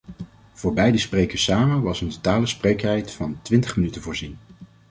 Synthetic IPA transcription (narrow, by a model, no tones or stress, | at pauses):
v̥ʊːɹbɛjdəsprejkəsaːmənʋɑsəntotaːləsprejkɛjtfɑntʋɪntəχmənytənvʊːɹzin